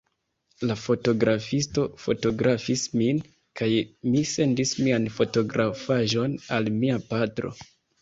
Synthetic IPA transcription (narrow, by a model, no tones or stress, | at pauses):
lafo̞to̞ɡɾʔafisto̞fo̞̰to̞ɡɾafismin | kajmise̞ndismianfo̞to̞ɡɾʔafaʒo̞nalmiapatɾo̞̰